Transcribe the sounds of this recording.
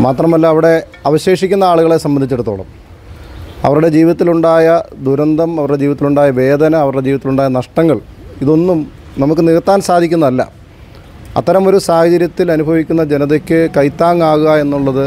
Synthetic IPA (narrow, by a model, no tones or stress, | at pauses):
maːt̪rɐmɐlːɐːʋiɽe̞ | ɐʋɐɕe̞ːʂikʲːunːɐaːɭuɣɐɭesɐmbɐnd̪ʱit͡ɕːeɽut̪ːo̰ːɭɐ̰m | ɐ̰ʋɐruɽe̞d͡ʑiːʋiðɐt̪ːiluɳɖaːjɐd̪uɾɐnd̪ʱɐmɐʋɐɾuɽe̞d͡ʑiːʋiðɐt̪ːiluɳɖaːjɐʋe̞ːd̪ʱɐnɐːʋɐɾuɽed͡ʑiːʋiɐt̪iluɳɖaːjɐnɐʂʈɐŋːɐɭiðo̞nːum | nɐmukːɨniɣɐt̪ːaːnsaːd̪ʱikʲːunːɐɐlːɐ̰ | ɐ̰t̪ːɐɾɐmo̞ɾusaːhɐd͡ʑɐɾjɐt̪ːilɐnubʱɐʋikʲːunːɐd͡ʑenɐðekʲːɨkɐjt̪ːaːŋːaːɣuɣɐe̞nːuɭːɐðɨ